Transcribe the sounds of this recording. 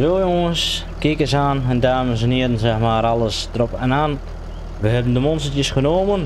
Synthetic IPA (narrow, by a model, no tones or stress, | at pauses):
ʋolˠjoŋəns | kɪkəsaːnɛndaːməsniədən̩sɛxmaːɾalˠəsdərɔpɛnaːn | ʋəhɛbən̩dəmɔnsətjəsχənoːmən